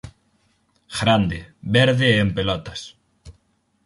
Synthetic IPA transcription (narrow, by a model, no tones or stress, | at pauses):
ɣɾand̪ɪβɛɾðɪempelɔt̪ɐs